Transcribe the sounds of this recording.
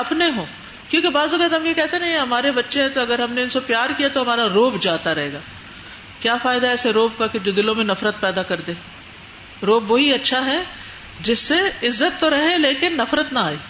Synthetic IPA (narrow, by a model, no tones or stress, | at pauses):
ɐpneɦõː | kjũːkibaːzʊɡət̪ɦɐmjikɛɦt̪enɐɦĩɦɐmaːɾebɐtːʃeɦɛ̃t̪oɐɡəɾɦɐmneɪnsepjaːɾkijat̪oɦɐmaːɾaɾoːbd͡ʒaːt̪aɾɐɦeːɡaː | kjaːfaːɪd̪aɦɛːseɾoːb̚kaked͡ʒod̪ɪlõmẽnɐfɾət̪̚pɛːd̪akɐɾd̪eː | ɾoːbʋɐɦiɐtːʃʰaɦɛ | d͡ʒɪsːeɪzːət̪ːoɾɐɦeleːkɪnːɐfɾət̪naaːeː